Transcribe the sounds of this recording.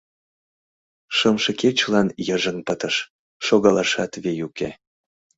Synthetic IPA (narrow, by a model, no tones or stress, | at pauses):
ʃəmʃɤket͡ɕlɑnjəʒə̆npət̪əʃ | ʃoɣɑlɑʃɑt̪βejuke